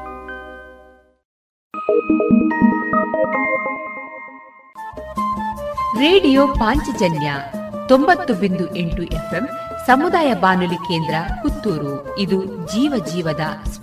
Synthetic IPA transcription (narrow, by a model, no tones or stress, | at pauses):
ɾeːɖijoːpaːɲt͡ʃid͡ʒɐnjɐt̪ombɐt̪ːubind̪uʔeɳʈuʔepʰemsɐmud̪aːjɐbaːnulikeːnd̪ɾɐkut̪ːuːɾu | id̪ud͡ʒiːʋɐd͡ʒiːʋɐd̪ɐs